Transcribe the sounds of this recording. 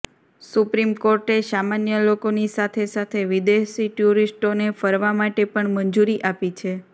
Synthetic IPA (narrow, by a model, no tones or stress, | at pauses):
supɾimkoɾʈesamanjəlokonisat̪ʰesat̪ʰeʋid̪esiʈjuɾisʈonefəɾʋamaʈepəɳmənd͡ʒuɾiʔapit͡ʃʰe